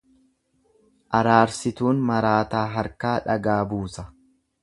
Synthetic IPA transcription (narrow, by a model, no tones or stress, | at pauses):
ʔɐɾaːɾsɪt̪uːnmɐɾaːt̪aːɦɐɾkaːᶑɐɡaːbuːsɐ